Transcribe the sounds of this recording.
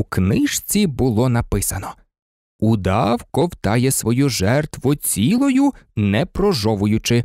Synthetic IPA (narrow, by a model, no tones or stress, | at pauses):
uknɪʃt͡sʲibʊlˠɔnɐpɪsɐnɔ | ud̪ɑwkɔwt̪ɑjɛsʋɔjuʒɛrt̪ʋʊt͡sʲilˠɔjʊnɛpɾɔʒɔʋʊjʊt͡ʃɪ